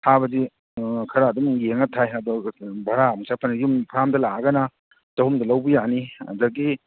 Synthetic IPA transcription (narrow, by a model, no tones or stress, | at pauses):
tʰabɐzi | kʰɐɾaːdumjeŋɐtʰajɐdɔbʱɐɾamusapʰɐnɡiumpʰɾamdɐlaɡɐnɐ | tɐɦumdɐlɐwbijaniɐ̰dɐɡi